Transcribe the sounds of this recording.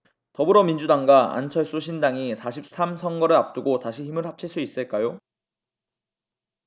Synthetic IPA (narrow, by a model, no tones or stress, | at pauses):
tʌbɯɾʌmind͡ʑudaŋɡaa̰nt͡ɕʰʌɭs͈uɕʰindaŋisʰaɕʰip̚s͈ʰamsʰʌŋɡʌɾɯɭap̚t͈uɡotaɕʰiçimɯɭhap̚t͡ɕʰiɭs͈uis͈ɯɭk͈ajo